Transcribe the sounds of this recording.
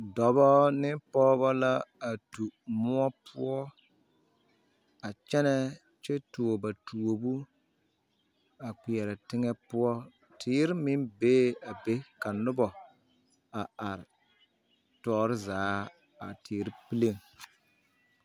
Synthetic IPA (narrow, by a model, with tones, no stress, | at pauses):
dɔ˨bɔ˦nɪ˦pɔː˦βa˦la˦a˨tu˨mʊ˦ɔ˦pʰʊ˦ɔ˦ | a˨t͡ʃɛ˦nɛ˦ | t͡ʃɛ˦tu˨o˨ba˨tʰu˨o˨bu˦ | a˨k͡pi˨ɛ˨ɾɛ˨tɪ˦ŋɛ˦pʊ˦ɔ˦ | tʰɪː˦ɾɪ˦mɪ˦nbeː˦a˨be˦ka˨nʊ˦bɔ˨ | a˨a˨ɾɪ˨ | tɔː˨ɾɪ˦zaː˨˦ | a̰˨tʰiː˨˦ɾɪ˦pi˦le˦˨ŋ